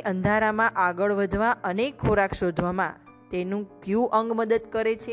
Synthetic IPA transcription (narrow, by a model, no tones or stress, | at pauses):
ʔənd̪ʱaɾamãʔaɡəɭʋəd̪ʱʋaʔənekʰːoɾakʃod̪ʱʋamã̰ | t̪enũkjũʔəŋɡməd̪əd̪kəɾet͡ʃʰe